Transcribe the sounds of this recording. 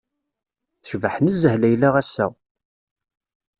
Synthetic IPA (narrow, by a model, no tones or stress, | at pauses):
θʃvəħnəzːəhlæjlæʁæsːæ̰